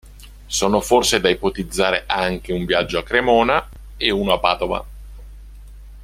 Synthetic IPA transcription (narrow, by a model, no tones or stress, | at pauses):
soːnoforsed̪aipot̪id̪zːaːɾeʔaŋk̟euɱvjad͡ʒːoakːɾemɔːna | euːnoapːaːd̪ova̰